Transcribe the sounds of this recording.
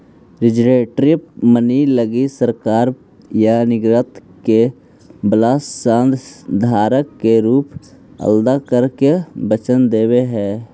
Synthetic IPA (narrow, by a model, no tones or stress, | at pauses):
ɾɪd͡ʒɾeːʈɾɪpməniləɡisəɾkaːɾ | janɪɡɾət̪ke | blaːsʃãːnd̪d̪ʱaːɾəkːeɾuːp | ə̰ld̪akəɾkebət͡ʃənd̪eːweɦɛː